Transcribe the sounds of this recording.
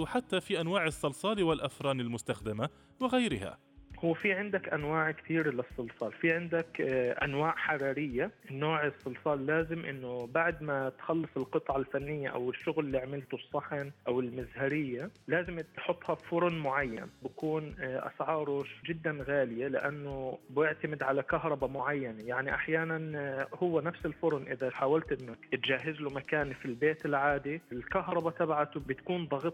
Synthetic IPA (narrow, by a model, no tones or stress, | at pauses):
wħat̪ːafiʔanwaːʕɪsˤːɑlsˤɑːliwɪlʔafɾˤɑːnɪlmʊst̪axd̪ɪma | wɪɣajɾɪha̰ | hʊwːfiʕɪnd̪akʔanwaːʕkt̪iːɾlɪsˤːɨlsˤɑːlfiʕɪnd̪akʔa̰nwaːʔħɑɾˤɑːɾɪjːaʔɪnːoːʕɪsˤːɨlsˤɑːlːaːzɪmʔɪ̰nːʊbaʕd̪mat̪xɑlːɨsˤɪlqɨt̪ˤʕalfanːɪjːaʔa̰wɪʃːʊɣllːiːʕamɪlt̪ʊsˤːɑħɪnʔawɪlmɪzhaɾɪjːalaːzɪmt̪ħʊt̪ˤːhɑfʊɾˤʊnmʊʕajːa̰nbakuːnʔa̰sʕɑːɾˤʊʒɪd̪ːanɣaːlɪjalɪ̰ʔanːʊbjɪʕt̪amɪd̪ʕalakaɦɾˤɑbamʊʕajːanajaʕniʔaħjaːnanhʊwːanafsɪlfʊɾˤʊnʔɪðaħaːwalt̪ʔɪnːʊt̪d͡ʒaːɦɪzlʊmakaːnfilbeːt̪ɪlʕaːd̪ilkaɦɾˤɑbat̪abʕat̪bɪt̪kuːnd̪ˤɑɣt̪ˤ